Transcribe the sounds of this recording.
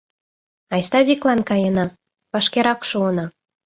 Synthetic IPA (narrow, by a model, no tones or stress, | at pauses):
ɑjst̪ɑβʲiklɑnkɑjə̆nɑ | pɑʃkeɾɑkʃuənɑ